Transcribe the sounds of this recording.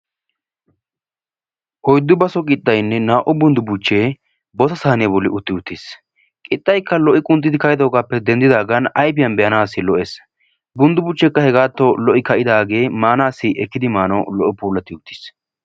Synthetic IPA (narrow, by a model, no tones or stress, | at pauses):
ʔɔjd̪ːʊbɐsɔkʼɪt̪ʼːɐjnːɛnaːʔʊbʊnd̪ʊbʊt͡ʃːeː | bɔsɐsaːnɪɐbɔlːɪʔʊt̪ːɪʊt̪ːɪs | kʼɪt̪ʼːɐjkːɐlɔʔɪkʼʊnt̪ːɪd̪ɪkɐjɪd̪o̞ːɡaːpːɛd̪ɛnd̪ɪd̪aːɡɐnɐjpɪjɐnbɛjɐnaːsːɪlɔʔeːs | bʊnd̪ʊbʊt͡ʃːɛkːɐhɛɡaːt̪ːɔlɔʔɪkɐʔɪd̪aːɡe̞ːmaːnaːsːɪʔɛkːɪd̪ɪmaːnɔlɔʔɪpuːlːɐt̪ːɪʊt̪ːɪ̥s